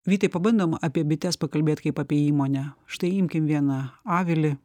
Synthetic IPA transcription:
ʋʲiːt̪ɐɪpɐbɐnd̪oːmɐpʲiɛbʲɪt̪ʲɛspɐkɐlʲbʲeːt̪ʲkɐɪpɐpʲiɛiːmoːnʲɛʃt̪ɐɪɪmʲkʲɪmʋʲiɛnɐɑːʋʲɪlʲɪ

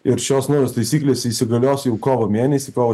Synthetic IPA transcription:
ɪɾʃʲoːsnoʊjʲoːst̪ɐɪsʲiːklʲeːsʲiːsʲɪɡɐlʲoːsʲjɛʊkoːʋomʲeɛnʲɛsʲɪkɔːʋɐ

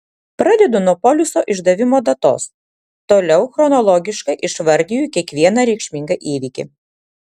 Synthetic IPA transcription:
pɾɐd̪ʲɛd̪ʊnɔpɔlʲʊsoːʔɪʒd̪ɐʋʲɪmoːd̪ɐt̪o̰ːs | t̪oːlʲɛʊxɾɔnɔlˠɔɡʲɪʃkɐɪʔɪʃʋɐɾʲd̪ʲɪjuːˑkʲiɛkʋʲiɛnɐɾʲɛɪkʃʲmʲɪŋɡɐʔiːʋʲikʲɪ̰

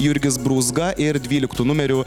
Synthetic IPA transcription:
jʊɾʲɡʲɪsbɾuːzɡɐʔɪɾd̪ʲʋʲiːlʲɪkt̪uːnʊmʲɛɾʲʊ

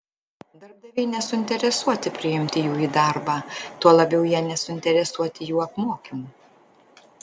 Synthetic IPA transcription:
d̪ɐɾb̚d̪ɐʋʲɛɪnʲɛsʊɪnʲt̪ʲɛɾʲɛsuɔt̪ʲɪpʲɾʲɪɪmʲt̪ʲɪjuːiːd̪ɑˑɾbɑːt̪uɔlˠɐbʲɛʊjiɛnʲɛsʊɪnʲt̪ʲɛɾʲɛsuɔt̪ʲɪjuːɐpmoːkʲuː

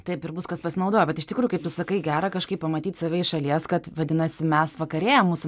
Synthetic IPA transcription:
t̪ɐɪpɪɾbʊskɐspɐsʲɪnɐʊd̪oːjobʲɛt̪ɪʃt̪ʲɪkɾuːjʊkɐɪp̚t̪ʊsɐkɐɪɡʲæːɾɐkɐʃkɐɪpɐmɐt̪ʲiːt̪sɐʋʲɛɪʃɐlʲiɛskɐt̪ʋɐd̪ʲɪnɐsʲɪmʲɛsʋɐkɐɾʲeːjɛmuːsʊ

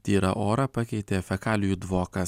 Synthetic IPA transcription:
t̪ʲiːɾɐ̰ʔoːɾɐpɐkʲɛɪt̪ʲeːfʲɛkɑːlʲɪjuːd̪ʋoːkɐ

